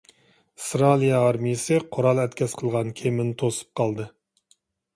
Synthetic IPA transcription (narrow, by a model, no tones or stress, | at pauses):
st̪ɾɑlˠijɛːɾmijɪsɨqʰoɾɑlˠɛt̪̚kʲɛsqʰəlˠʁɑnkʲʰemɪnt̪ʰosɨ̥p̚qʰɑlˠd̪ɨ